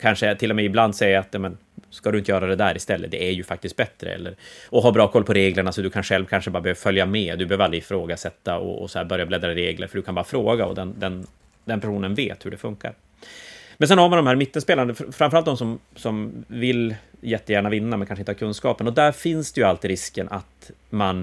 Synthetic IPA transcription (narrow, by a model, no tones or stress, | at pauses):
kʰanʂət̪ʰɪlːɔmɛɪbland̪sɛjːaːt̪jɑːmɛn | skad̪ɵʏɪnt̪əjœːɾad̪ɛd̪æːɾɪst̪ɛlːə̰d̪ɛæɾjɵfak̚t̪ɪst̪̚bɛt̪ɾə̰ɛ̰lːəɾɔɦabɾɑːkʰɔlpʰɔɾeːɡləɳasɔd̪ɵkʰanɧɛlvkʰanʂəbɑːɾabɛøːvəfœljameːd̪ɵbɛhøːvɾalɾɪɪfɾoːɡasɛt̪ːaɔ̰ːsɔhæːɾbœɾjablɛd̪ɾaɾeːɡlə̰ɾfœɖɵkʰanbɑːɾafɾoːɡaɔ̰d̪ɛnd̪ɛn | d̪ɛnpʰæʂuːnənvḛːt̪hɵɖɛfɵŋka̰ɾ | mɛns̬ɛnhaɾmand̪ɔmhæːɾmɪt̪ːənspeːland̪əffɾamfɾalt̪̚d̪ɔmsɔmsɔmvɪljɛt̪ːəjæːɳavɪnːamɛnkanʂəɪnt̪əhaːkʰɵnskɑːpənɔd̪æɾfɪnsd̪ɛjɵalt̪ɪɾɪskənʔat̪man